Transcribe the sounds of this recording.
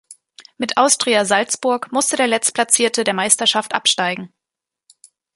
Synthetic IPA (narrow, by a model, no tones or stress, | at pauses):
mɪtʔaʊstʁ̥iːazalt͡sb̥ʊɐkmʊstədeːɐlɛt͡stpʰl̥at͡siːɐtədeːɐmaɪstɐʃaftʔa̰pʃtaɪɡŋ̩